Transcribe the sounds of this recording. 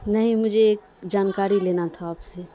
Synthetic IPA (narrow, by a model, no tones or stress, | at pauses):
nəɦĩmʊd͡ʒʱeeːk̚ | d͡ʒaːnkaːɾileːnat̪ʰaːpse